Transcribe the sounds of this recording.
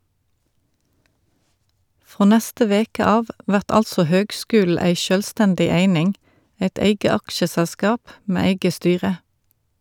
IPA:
ˈfʁoː ˈnæstə ˈʋeːkə ˈɑːʋ ˈʔʋæʁt ˈɑlsɔ ˈhøːɡˌskʉːl̩ ˈæɪ ˈʃœlˌstændɪ ˈeɪnɪŋ ˈeɪt ˈeɪɡə ˈɑkʃəsælˌskɑːp ˈmeː ˈeɪɡə ˈstyːʁə

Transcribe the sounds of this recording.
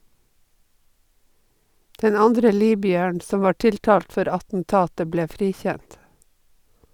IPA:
ˈdɛn ˈɑndɾə ˈliːbʏəɳ ˈsɔm ˈʋɑː ˈʈɪlˌtɑːlt ˈfɔɾ ɑtn̩ˈtɑːtə ˈbleː ˈfɾiːˌçænt

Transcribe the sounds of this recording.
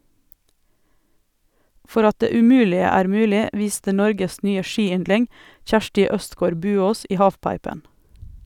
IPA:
ˈfɔɾ ˈɑt ˈdeː ʉˈmʉːlɪə ˈæːɾ ˈmʉːlɪ ˈʋiːstə ˈnɔɾɡəs ˈnyːə ˈʃiːˌʏndlɪŋ ˈçæʃʈɪ ˈœstɡoːɾ ˈbʉːoːs ˈiː ˈhɑːfˌpɑɪpən

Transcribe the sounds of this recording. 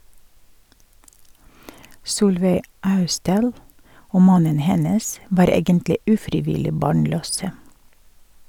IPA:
ˈsuːlʋeɪ ˈɑʉstdɑːl ˈoː ˈmɑnən ˈhɛnəs ˈʋɑːɾ ˈeːɡəntlɪ ˈʉːfɾɪˌʋɪlɪ ˈbɑːɳˌløːsə

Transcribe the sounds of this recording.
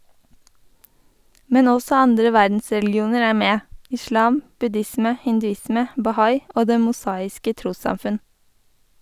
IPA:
ˈmɛn ˈɔsɔ ˈɑndɾə ˈʋæɾdn̩sɹɛlɡɪˌuːnəɹ ˈæː ˈmeː ɪˈʃlɑːm bʉˈdɪsmə hɪndʉˈɪsmə bɑˈhɑɪ ˈoː ˈdeː mʊˈsɑːɪskə ˈtɾuːsɑmˌfʉn

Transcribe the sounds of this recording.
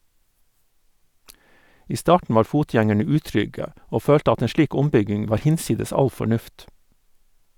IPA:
ˈiː ˈstɑːʈɳ̩ ˈʋɑːɾ ˈfuːˌtjæŋɛɳə ˈʉːˌtɾʏɡə ˈoː ˈføːlt ˈɑt ˈeːn ˈʃliːk ˈʊmˌbʏɡɪŋ ˈʋɑːɾ ˈhɪnˌsiːdəs ˈɑl fɔˈɳʉft

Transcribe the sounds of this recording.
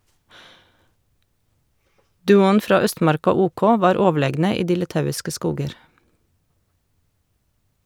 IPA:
ˈdʉːʊn ˈfɾɑː ˈœstmɑɾkɑ ˈuːˌkoː ˈʋɑːɾ ˈoːˌʋɭeːɡnə ˈiː ˈdiː lɪˈtɑʉɪskə ˈskuːɡəɾ

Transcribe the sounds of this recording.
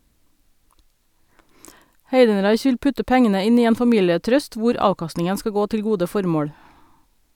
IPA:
ˈheɪdn̩ˌɾɑɪç ˈʋɪl ˈpʉtə ˈpɛŋənə ˈɪn ˈiː ˈeːn fɑˈmiːləˌtɾœst ˈʋʊɾ ˈɑːkɑstnɪŋən ˈskɑ ˈɡoː ˈtɪl ˈɡuːdə ˈfɔɾmoːɽ

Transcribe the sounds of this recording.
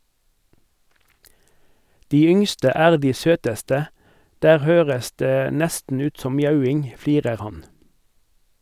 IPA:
ˈdiː ˈʏŋstə ˈæːʁ ˈdiː ˈsøːtəstə ˈdæːʁ ˈhøːʁəs ˈdeː ˈnɛstn̩ ˈʉːt ˈsɔm ˈmjɑʉˌɪŋ ˈfliːʁəʁ ˈhɑn

